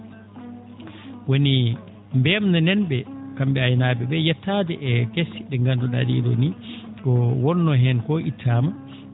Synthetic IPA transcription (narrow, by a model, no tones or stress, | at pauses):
woni | mbɛmnanɛnɓɛkambɛajnaːbɛbɛjɛtːaːdɛʔɛɡesːiɗɛŋɡanduɗa̰dḭɗo̰nikɔwɔnːɔɦɛnkɔʔitʰːaːma